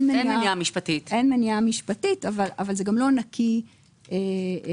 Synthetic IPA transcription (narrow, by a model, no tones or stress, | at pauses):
nmennieniamiʃpatit̪enmeniamiʃpatitavalavalzeɡamlo̞nakʰi | ʔe